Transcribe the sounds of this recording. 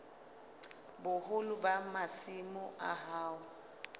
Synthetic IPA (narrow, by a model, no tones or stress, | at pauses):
bʊhʊlʊbamasimʊʔa̰ɦaːʊ